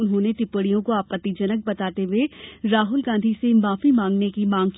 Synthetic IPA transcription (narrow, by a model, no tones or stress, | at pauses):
ʊnɦõːneʈɪpːəɽijõkoaːpət̪ːid͡ʒɐnək̚bɐt̪aːt̪eɦeɾaːɦʊlɡãːnd̪ʱisemaːfimãːŋɡnekimãːŋk